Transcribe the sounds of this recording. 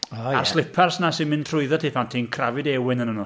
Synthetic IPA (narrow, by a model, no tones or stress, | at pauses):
aa̰rslˠɪpʰarsnasɪmɪntʰrʊɨðɔtʰiːpʰantʰiːnkʰravɨdɛwɪnənənɔ